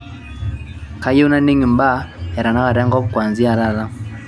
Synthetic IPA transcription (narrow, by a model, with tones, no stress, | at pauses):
ka˦jɛ˦u˦na˦ni˦ŋi˨mba˦ja˨ɾa˨na˦ɣa˨ɾa˦ŋɡɔ˦pkwa˨nzi˦a˨ɾa˦ða˦